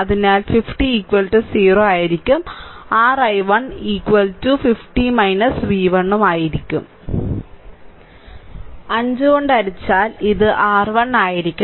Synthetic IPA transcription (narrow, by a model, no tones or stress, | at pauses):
ɐðinaːlfifʈiːkʋɐlʈɨsiːroːaːjiɾikʲːumaːrɐjʋɐɳikʋɐltufifʈimɐjnɐsʋiːʋɐɳːumaːjiɾikʲːṵm | ɐɲd͡ʑɨɣoɳɖɐɾit͡ɕːaːliðɨʔaːrʋɐɳaːjiɾikʲːu